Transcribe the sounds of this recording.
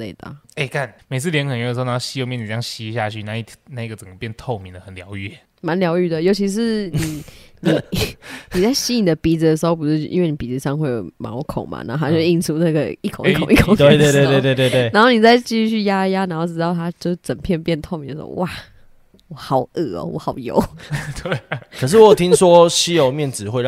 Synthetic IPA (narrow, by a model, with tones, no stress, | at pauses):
lḛ˥˩ɪt̪ə̰˨˩e˥˩ɪka˥˩nme˨˩ɪɨ˥ljɛ˦nkʰnj̩˨˧˩n˧˨˧ɕi˧˥jo˥˧mɛ˥˨ni˨˩ja˥ŋɕi˥˧ɕ̬ja˥˧t͡ɕʰy˥˧na˥˧i˥˩na˥˧i˥ɡə˩t͡sə˨˩ŋɡə˦pjɛ˥˧nt̪ʰo˥˩ʊmi˨˦ŋd̪ə˩xə˨˩nljɑ˧˦ʊɛ˥˩ | ma˧˦nljɑ˧˥ʊy˥˩d̪ə˩jo˧˥ʊt͡ɕʰi˧˥ʂ̬ɻ̩˥˩ni˨˩ni˨˩ni˨˩t͡sa˥˩ɪɕi˦˥ni˨˩d̪ə˦pi˨˩d͡z̩˨d̪ə˩ʂ̬ɻ̩˧˥o˥ʊp̬u˧˥ʂ̩˥˧˩ʔḭ˦˥nwe˥˩ni˨˩pi˨˩d͡z̩˨˧ʂɑ˥˧ŋxwe˥˩ɪjo˨˩ma̰˨˦wkʰo̰˨˩ŋma̰˨˩na̰˨˧˦o˥˩t̪ʰa˥jo˥˧ʂi˥˧nʈ͡ʂʰu˥na˥˩ɡə̰˨i˥˩kʰo˨˦ŋi˥kŋi˥kʰŋ˧e˥˨t̪we˥˧t̪we˥˧t̪wt̪we˥˧t̪we˥˧˨t̪we˥˩na˧˦nxo˥˩ni˨˩t͡sa˥˧ɪt͡ɕi˥˧y˥˧t͡ɕʰy˥˩ja˥ja˦˥na˨˩nxo˥˧ʊʈ͡ʂɻ̩˥t̪ɑ˥˩ʊt̪ʰa˦t͡ɕjo˥˧ʊʂ̩˥˩t͡sə˨˩ŋpʰjɛ˥˧npjɛ˥˧nt̪ʰo˥˧ʊmi˨˦nd̪ə˩ʂo̰˧wʔa˥˩ | wɔ˨˩xɑ˨˩ʊə˥˩ɔ̰˨˩wɔ̰˨˦xɑ˨˩ʊjo̰˨˦ʊt̪we˩kʰə˨˩ʂ̬ɻ̩˥˩ɔ˦jo˨˩t̪ʰi˦ŋswɔ˦ɕi˥jo˨˩ʊmjɛ˥˨nt͡sɻ̩˨˦xwe˥˧